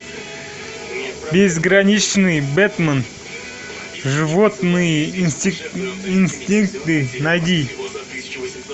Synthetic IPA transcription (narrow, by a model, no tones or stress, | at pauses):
bʲezɡɾanʲit͡ʃnɨjbɛt̪mən | ʐɨvot̪nɨjə | inst̪ʲiŋk̚t̪ɨnajd̪ʲi